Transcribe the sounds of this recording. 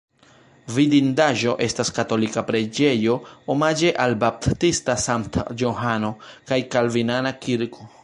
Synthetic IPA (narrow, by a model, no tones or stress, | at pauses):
vidindaʒo̞ʔe̞staskato̞likapɾed͡ʒe̞jo̞omad͡ʒe̞ʔalbap̚ttistasamtjoɦano̞kajkalvinanakiɾko̞